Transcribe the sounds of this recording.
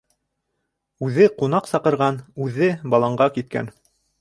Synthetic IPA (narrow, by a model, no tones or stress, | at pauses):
ʉðɘqunɑqsɑqɤ̆ɾʁɑnʉðɘbɑlˠɑɴɢɑkit̪̚kæ̰n